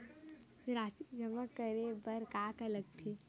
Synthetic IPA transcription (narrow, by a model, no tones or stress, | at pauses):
ɾaːsid͡ʒəməkːəɾebəɾkaːkələɡ̚t̪ʰe